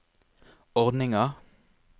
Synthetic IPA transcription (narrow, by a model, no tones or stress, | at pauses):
ɔʁd̪nɪŋɑʁ